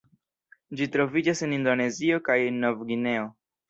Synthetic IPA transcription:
d͡ʒit̪ɾovid͡ʒasenind̪oneziokajenːovɡineo

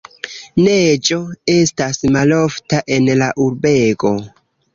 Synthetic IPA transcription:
ned͡ʒo̞e̞stasmalo̞ftaʔe̞nlaʔuɾbe̞ɡo̞

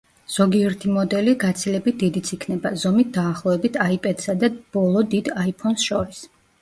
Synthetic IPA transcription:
z̥ɔɡiɛɾt̪ʰimɔd̪ɛliɡat̪sʰilɛbit̪̚d̪id̪it̪sʰikʰnɛbazɔmit̪̚d̪aːχlˠɔɛbit̪ʰaipʼɛd̪̥sad̪ab̥ɔlˠɔd̪id̪aipʰɔnsʃɔɾis

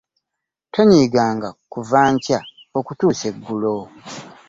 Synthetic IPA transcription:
tʰoɲiːɡaːŋɡakuvaːɲca | okutuːse̞ɡːulo

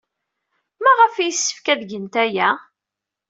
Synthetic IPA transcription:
mæʁəfijəsːə̥fkæðʝənt̪æjæ

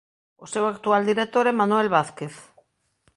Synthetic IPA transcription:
osewakt̪uald̪iɾek̚t̪oɾɛmanuɛlβaθkeθ

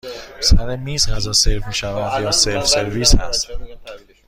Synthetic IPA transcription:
sæɾemiːzɢæzɒːselfmiːʃævænd̪jɒːselfse̞ɾviːshæ̰st̪

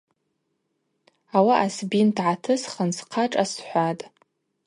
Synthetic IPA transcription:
awaʔasbintʰʕatʰɨsχənsqʰaʈ͡ʂʼasħʷatʼ

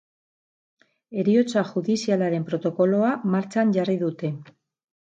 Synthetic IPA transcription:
e̞ɾio̞t͡saʝuðisialaɾe̞mpɾo̞t̪o̞ko̞lo̞amaɾt͡ʃaɲʝariðut̪e̞

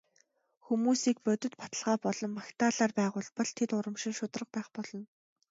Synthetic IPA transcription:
xumuːsiːk̚pœt̪ɵ̆t̪pḁt̪ə̆ɮʁaːpɔɮɞ̆mːakt̪aːɮaːrpæːʁʊːɮpɔ̆ɮ̥t̪ʰet̪ʊɾə̆mʃɪ̆ŋʃʊt̪rə̆q̚pæːχpɔɮɞ̆n

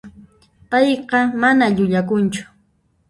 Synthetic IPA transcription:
pɑjqɑmanaʎʊʎakʊnt͡ʃʊ̥

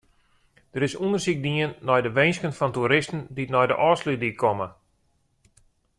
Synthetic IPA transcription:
d̥əɾɪsundərsik̚diənːɔjdəʋejnskənfɔntuɾɪstn̩ditnɔjdə̰ʔɔːslydikʰɔmə

